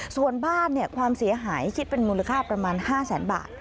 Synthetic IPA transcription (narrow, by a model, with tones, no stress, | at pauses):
su˨˩ənbaː˥˩nːi˥˩əkʰwaː˧msi˨˩˦ɐɦaː˩˦jkʰi˦˥t̪̚pe˧nmuː˧la˧kʰaː˥˩pɾa˧maː˧nhaː˥˩sɛː˩˦nba̰ː˨˩t̪̚